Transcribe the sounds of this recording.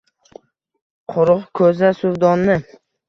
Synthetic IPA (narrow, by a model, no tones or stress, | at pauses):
qʰʊɾʊqkʰɵzasʊvd̪ɒnːɪ